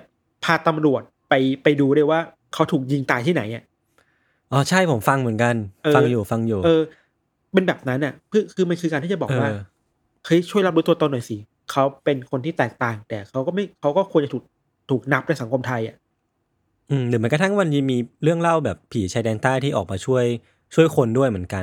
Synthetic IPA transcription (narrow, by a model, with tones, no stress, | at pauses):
ɛ˨˩ | pʰaː˧t̪a˧mɾu˨˩ət̪̚pa˧jpa˧jduː˧ɾu˥˩˨jwaː˥˩ | kʰa˦˥wt̪ʰuː˨˩k̚ji˧ŋt̪aː˨˩jt̪ʰiː˥˩na˩˦jʔa˨˩ʔ | ʔɔː˧˩t͡ɕʰa˥˩jpʰo˩˦mfa˧ŋmɯ˩˦ənka˧nʔɤː˧a˧ŋjuː˨˩fa˧ŋjuː˨˩ʔɤː˧ | pe˧nbɛː˨˩p̚na˦˥nʔa˨˩kʰɯː˥˧˩kʰɯː˧ma˧nkʰɯː˧kaː˧nʰiː˥˩t͡ɕa˨˩bɔː˨k̚waː˥˩˧ | kʰɤ˦˥˩jt͡ɕʰu˥˩jla˦˥pɾu˦˥t̪ːt̪o˧nu˨˩jsi˨˩ | kʰa˦˥wpe˧nkʰo˧nt̪ʰiː˥˩t̪ɛː˨˩k̚t̪aː˨˩ŋt̪ɛː˨˩kʰa˦˥wkɔː˥˩ma˥˩jkʰa˦˥wkɔː˥˩kʰu˧nt͡ɕa˨˩uː˨˩k̚ | t̪ʰuː˨˩k̚na˦˥p̚da˥˩sa˩˦ŋkʰo˧mt̪ʰa˧jʔa̰˨˩ | ʔɯː˧lɯː˨˦ɨ˩˦kɔ˧t̪ʰa˥˩ŋwa˧nmi˧miː˧ɾɯ˥˩əŋla˥˩wbɛː˨˩pʰːiː˩˦t͡ɕʰaː˧jdɛː˧ŋt̪aː˥˩jt̪ʰiː˥˩ʔɔː˨˩k̚maː˧t͡ɕʰu˥˩əj | t͡ɕʰu˥˩əjkʰo˧ndu˥˩əjm˩˦ənka˧n